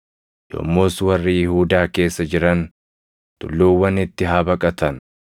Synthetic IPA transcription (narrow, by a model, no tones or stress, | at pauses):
jo̰mːoːswɐrːijɪhuːd̪aːke̞ːsːɐd͡ʒɪɾɐn | t̪ʊ̰lːoːwːɐnɪt̪ːɪɦabɐkʼɐt̪ɐn